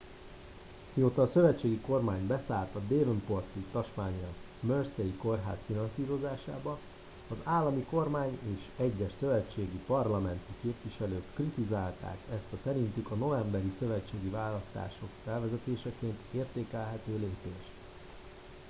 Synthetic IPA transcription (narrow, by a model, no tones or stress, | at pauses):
mioːt̪ɒːsø̞vɛt͡ʃːeːɡiko̞rmaːɲbɛsaːlt̪ɒd̪eːvnpo̞rt̪it̪ɒʃmaːɲɛl | mørsejiko̞rɦa̰ːsfinɒnsiːɾo̞zaːʃa̰ːbɒː | zaːlːɒmiko̞rmaːɲeːʃɛɟːɛʃsø̞vɛt͡ʃːeːɡipɒrlɒmɛnt̪ikeːpʋiʃɛløːkːrit̪izaːlt̪a̰ːkɛst̪ɛsɛɾint̪ykɒno̞vɛmbɛɾisø̞vɛt͡ʃːeːɡivaːlɒst̪a̰ːʃo̞kfɛlvɛzɛt̪eːʃɛkeːnt̪eːrt̪eːkɛlɦɛt̪øːleːpeːʃt̪